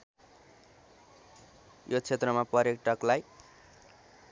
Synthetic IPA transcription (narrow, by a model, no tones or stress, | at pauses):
jot͡sʰet̪rʌmapʌɾekʈʌklaj